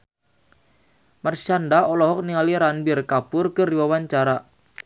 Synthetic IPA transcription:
mart͡ʃandaɔlɔɦɔk̚niŋaliɾanbɪrkapʊrkɨrdiwawaɲt͡ʃaɾa

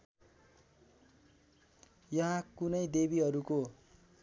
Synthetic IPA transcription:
jʌɦãkunʌjd̪eβiɦʌɾuko

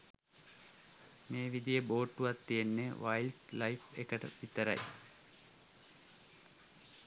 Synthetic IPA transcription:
meːʋid̪ijəboːʈːuʋat̪ːijenːeʋaild̪lajfḛkəʈə̰pit̪əɾa̰j

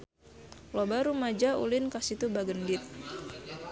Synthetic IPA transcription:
lobaɾumad͡ʒaṵlɪnkasit̪ubaɡəndɪt̪̚

